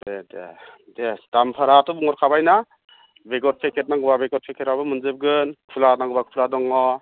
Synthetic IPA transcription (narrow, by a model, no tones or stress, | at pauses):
bedḛ | desdampʰaɾatɔbuŋɔɾkʰabajna | beɡɔɾ̚pʰekʰet̚naŋɡɯbabeɡɔɾ̚pʰekʰeɾabɯmɯnzɯb̚ɡɯnkʰulatnaŋɡɯbakʰpʰuladɔŋɔ